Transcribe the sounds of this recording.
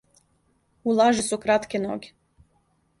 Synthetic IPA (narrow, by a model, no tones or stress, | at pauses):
ulˠaʒesukɾat̪keno̰ːɡʲe̥